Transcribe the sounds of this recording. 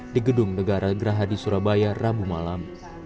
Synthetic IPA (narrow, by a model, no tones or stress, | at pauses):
diɡədʊŋnəɡaɾaɡɾaɦadisuɾabajarabumalam